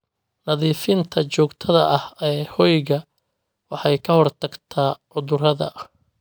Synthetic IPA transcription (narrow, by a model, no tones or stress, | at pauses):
nɐðiːfɪnt̪ʰɐt͡ʃɔːɡt̪ʰɐðɐʔɐhɛːhɔjɣɐ | wɑħɑjkʰɐhɔrt̪ʰɐɡt̪ʰaːʕʊðʊrɐðɐ̰